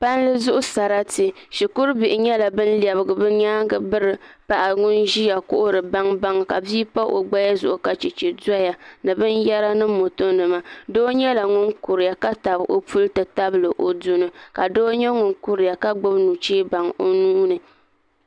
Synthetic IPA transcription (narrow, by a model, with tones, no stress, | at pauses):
pa˦n˦lɨ˦zʊ˦ʔʊ˦sa˨ɾa˦tɨ˨ | ʃi˨kʊ˦ɾbɪ˨ʔɪ˨ɲɛ˦la˨bɨ˦n̩˦li˨ɛ˨bɨ˨ɡɨ˨bɨ˦ɲaː˦ŋɡɨ˨bɨ˦ɾɨ˨pa˨ʔa˨ŋʊ˦nʒi˦ja˨kʊ˦ʔʊ˦ɾɨ˨ba˦ŋba˦ŋka˨biː˦pa˦ʔo˨ɡ͡ba˦ja˦zʊ̰˨ʔʊ˨ka˨t͡ʃi˨t͡ʃi˨da˦ja˨nɨ˨bɨ˦njɛ˦ɾa˦nɨ˦mo˨to˦nɨ˨ma˦doː˦ɲɛ˦la˨ŋʊ˦nkʊ˨ɾɪ˨ja˨ka˦ta˨bʔo˦pu˦ltɨ˨ta˦blɨ˨ʔo˨du˦nɨ˦ka˨doː˦ɲɛ˦ŋʊ˨nkʊ˦ɾɪ˨ja˨ka˦ɡ͡bʊ˦bnu˨t͡ʃeː˦ba˨ŋo˦nuː˦nɨ˨